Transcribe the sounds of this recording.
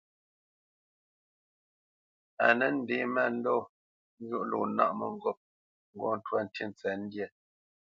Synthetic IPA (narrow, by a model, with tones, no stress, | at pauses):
a̰˨nə˦n̩˦de˨˦mɛ˦˨n̩˦dɔ˦˨ | n̩˦ɣu˦ʔlo̰˨˦na̰˦ʔmə˨ŋ̩˦ɡɔ˦p̚ | ŋ̩˦ɡɔ˦n̩˨twa˦˨n̩˨tʰi˦˨n˨t͡sɛ˨n̩˦djɛ˦˨